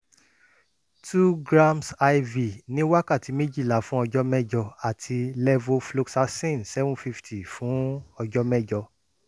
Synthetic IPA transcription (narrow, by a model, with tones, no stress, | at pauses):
tʰu˦ɡɾã˦msa˧jvi˨nĩ˦wa˦ka˦˨ti˨˧me˦d͡ʒi˦˨la˨fũ˦ɔ˧d͡ʒɔ˦mɛ̃˦˨d͡ʒɔ˧a˨tʰi˧lɛ˦vo˦flo˧ksa˧˦sĩ˦˨nsɛ˦vũ˦fi˦˧ftʰi˨fũ˨˦ɔ˧d͡ʒɔ˦mɛ̃˦˨d͡ʒɔ˧